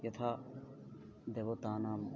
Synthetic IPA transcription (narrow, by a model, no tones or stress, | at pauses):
jɐt̪ʰa | d̪eʋot̪aːnaːm